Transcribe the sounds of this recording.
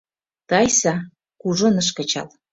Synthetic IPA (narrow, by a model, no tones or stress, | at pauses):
t̪ɑjsɑ | kuʒonə̆ʃ̬kə̆t͡ɕɑ̰l